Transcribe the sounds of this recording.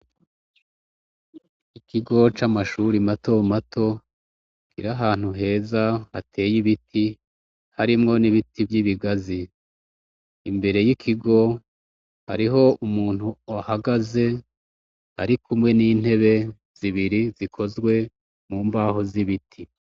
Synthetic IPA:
ikʰiɡo̞t͡ʃamaʃuɾimato̞matʰo̞ | kiɾaɦaːn̥huɦe̞ːzaha̰tʰe̞ːjiβitʰi | haɾimŋo̞niβitʰivjiβiɡazi | mbe̞ɾe̞jikʰiɡo̞ | ha̰ɾiɦo̞ʔumuːn̥huahaɡaze̞ | ha̰ɾikʰumŋe̞niːn̥he̞βe̞ | z̥iβiɾizikʰo̞zɡwe̞ | muːmbaːho̞ziβitʰi

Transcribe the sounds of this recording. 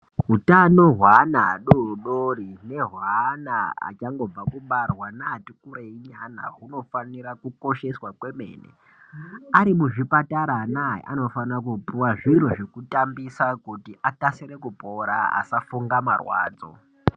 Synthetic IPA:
ɦutanoɦwanaɗoɗorine̞ɦwanaa̰t͡ʃaŋɡo̞b͡vakuɓarwanaːtikuɾeiɲana̰ɦuno̞fanirakuko̞ʃe̞swakwe̞mḛːnḛ | aɾimuʐipataɾanajḛʔa̰no̞fanrakupuwaʐiɾoʐekutambisakutiʔakaseɾekupoɾa̰a̰safuŋɡamarwa̰ːd͡zo̰

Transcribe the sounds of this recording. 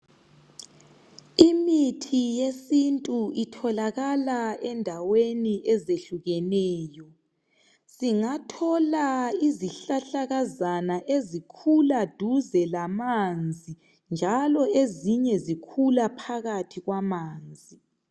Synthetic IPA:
imitʰijesintʼuitʰɔlaɣalaɛndʱaweniʔɛzeɬuɣɛnɛːjɔ | siŋatʰɔlaiziɬaɬaɣazanaʔezikʰulad̥ʱuzɛlamand͡zʱi | nd͡ʒʱalɔeziɲɛzikʰulapʰaɣatʰiɣwamaːnd͡zʱi

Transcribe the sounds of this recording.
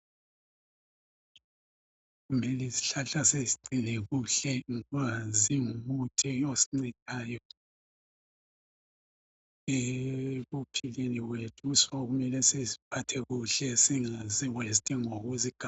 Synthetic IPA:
ɣumɛliziɬaɬaseziǀinɛɣuɬɛŋaziumutʰɛosiŋ͡ǀɛtʼaːjɔ | eɣupʰileniwetʰuusɔɔɣumɛlɛsezipʰatʰɛɣuɬɛsiŋaziwestʼɛŋoɣuziɡ̥ʱa

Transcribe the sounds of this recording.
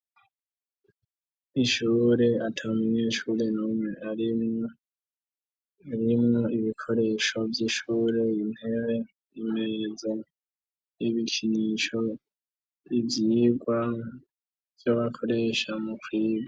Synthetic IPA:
iʃuːɾe̞atʰamiɲeːʃuɾe̞nuːmŋeʔaɾi | aɾimŋoiβikʰo̞ɾe̞ːʃo̞vjiʃuːɾe̞jinhe̞ɾe | imezo | jiβikʰiɲiʃo̞ | ivjiɡwa | v̥joβakʰo̞ɾe̞ʃamukwiːɡwa

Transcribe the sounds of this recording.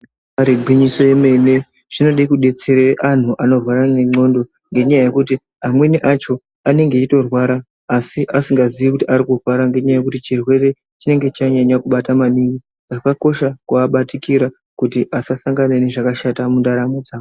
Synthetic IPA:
aɾeɡʱwiɲiso̞jeme̞ne̞ | ʐ̥ino̞ɗikuɗe̞t͡se̞ɾeʔan̤uʔano̞rwaɾaneŋ͡ǀo̞ndo̞ | ŋɡe̞ɲajaje̞kuti | amwe̞niʔat͡ʃo̞ | ane̞ŋɡe̞ito̞rwaɾaː | siʔasiŋɡaziʋikutiaɾikurwaɾaŋɡe̞ɲajaje̞kutit͡ʃirwe̞re̞ | t͡ʃine̞ŋɡe̞t͡ʃaɲaɲakuɓatamaniŋɡi | d͡zakako̞ʃakuaɓatikiɾa | kutiʔasasaŋɡanene̞ʐakaʃatamundaɾamod͡zaːo

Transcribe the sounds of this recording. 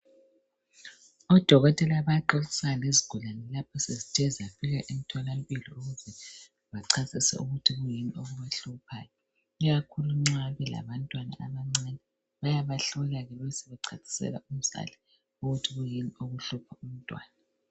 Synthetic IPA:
ɔd̥ʱɔɣɔtʼɛlaβaǃɔlisaleziɡ̥ʱulanɛlapʰɔsezitʰɛzafiɣaʔimitʰalampʼiliuɣuzɛ | βaǀʰasʼisɛ̰uɣutʰiɣujinioɣuβaɬupʰa̰ːjɔ | iɣakʰuluŋ͡ǀaβɛla̰βantʼwana̰ʔaβaŋ͡ǀɛnɛ | βajaβaɬɔlaɣɛlɛsɛβɛǀʰasʰʼi̥sɛ̰laʔum̩sa̰lɛ | uɣutʰiɣujinioɣuɬupʰaum̩tʼwa̰ːna

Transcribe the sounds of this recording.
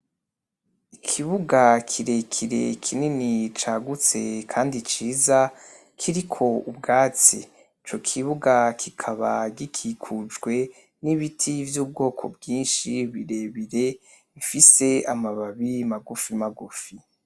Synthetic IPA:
ikʰiβuɡakʰiɾe̞kʰiɾe̞kʰininit͡ʃaɡut͡se̞kʰaːndit͡ʃiːza | kʰiɾikʰo̞ubɡaːt͡si | it͡ʃo̞kʰiβuɡakʰikʰaβa̰ɟikʰikʰud͡ʒɡwe̞ | niβitʰivjuːb̚ɡo̞ːkʰo̞̰bɡiːnʃiβiɾe̞βiɾe̞ | ifise̞amaβaβimaɡufimaɡufi

